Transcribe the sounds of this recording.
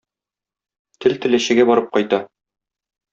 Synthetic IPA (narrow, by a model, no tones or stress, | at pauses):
t̪ʰɘlt̪ɘ̆læɕɘ̆ɡæbɒɾɤp̚qɒjt̪ɑ